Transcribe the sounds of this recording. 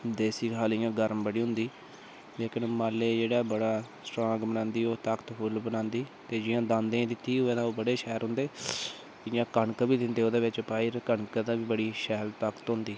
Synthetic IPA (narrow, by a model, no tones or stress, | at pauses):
d̪eːsiːkʰaːljãːɡəɾmbəɽiːɦʊ̃nd̪iː | leːkʰənmaːlːeːd͡ʒeːɽaːbəɽaːsʈɾãːɡbənãːnd̪iːoːt̪akt̪pʰʊlbənãːnd̪iːt̪eːd͡ʒɪjãːd̪ãːnd̪ẽd̪ɪt̪ːiːɦʊẽːd̪ãːoːbəɽeːʃɛːɾɦʊ̃nd̪eː | ɪjãːkəɳkbiːd̪ɪnd̪eːoːd̪eːʋɪt͡ʃpaːiɾkəɳkd̪ãːʋiːbəɽiːʃɛːlt̪əkt̪ɦʊ̃nd̪iː